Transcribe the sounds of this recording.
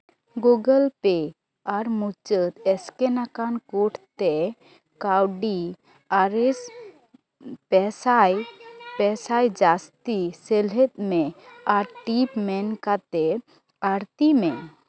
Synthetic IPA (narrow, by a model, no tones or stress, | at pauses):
ɡuɡəlpɛ | aɾmut͡ʃət̪ɛskɛnakankuʈʰt̪ɛ | kawɖi | aɾes | pɛsajpɛsajd͡ʒast̪isɛlɦɛt̪̚mɛaɾʈipmɛnkat̪ɛ | aɾt̪imɛ